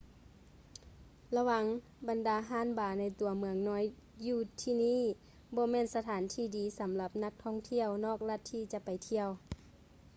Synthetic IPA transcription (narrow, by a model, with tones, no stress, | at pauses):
la˧waː˧ŋ | ba˨ndaː˨˦ɦaː˧˥˨nbaː˨˩na˧˥jt̪u˨˩ɐmɯ˨˧əŋnɔː˧˥˨j | juː˧t̪ʰiː˧˨niː˧˥˨ | bɔː˧˦mɛː˧˨nsa˧t̪ʰaː˨˦nt̪ʰiː˧˩diː˨˦sa˨˦mla˧p̚na˧k̚t̪ʰɔ˧˥˨ŋt̪ʰi˧˨əwnɔː˧˩k̚la˧˩t̪ʰːiː˧˩t͡ɕa˧pa˨jt̪ʰi˧˨əw